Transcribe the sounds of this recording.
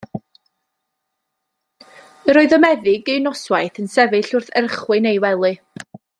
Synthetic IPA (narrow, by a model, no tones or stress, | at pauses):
əɾɔɨðɔmɛðɪɡejnɔswajθənsɛvɨɬʊrθərχwɨnejwɛlˠɨ